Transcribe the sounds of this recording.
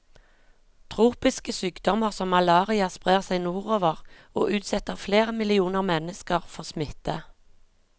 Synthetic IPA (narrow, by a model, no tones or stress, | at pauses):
t̪ʰʁuːpɪskəsyːkd̪ɔməʁsɔmːɑlɑːʁɪɑspʁeːʁsæɪnuːʁoːʋəʁ | o̰ːʔʉːt̪sɛt̪əʁfleːʁəmɪlɪuːnəʁmɛnəskəʁfɔʁsmɪt̪ə